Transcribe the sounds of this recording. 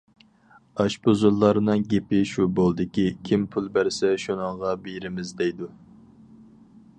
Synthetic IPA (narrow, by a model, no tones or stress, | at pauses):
ɑʃbozulˠːɑɾɨnɨŋɡʲepɪʃubolˠd̪ɪkʲikʲʰimpʰulˠbæɾsɛʃunɨŋʁɑbejɾɪmɪzd̪ɛjd̪u